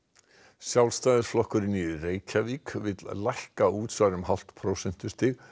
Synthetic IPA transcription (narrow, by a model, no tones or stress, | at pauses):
sjawlst̪aːjðɪɾsflɔhkʏɾɪnireːjcʰaviːkvɪðllajhkauːt̪svaɾʏmɦal̥t̪pʰɾoːwsɛn̥t̪ʏst̪ɪɣ